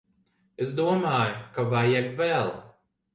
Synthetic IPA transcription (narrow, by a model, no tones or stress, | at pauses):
esd̪uɔmaːjʊkavajɛbvɛlˠ